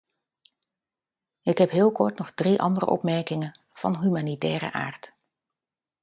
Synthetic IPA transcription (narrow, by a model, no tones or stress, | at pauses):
ɪkɦɛpɦɪːlˠkɔɹtnɔχdriʔɑ̰ndərə̰ʔɔ̰pmɛɹkɪŋən | v̥ɑ̰nɦymaːnitɛːɾə̰ʔa̰ːɹt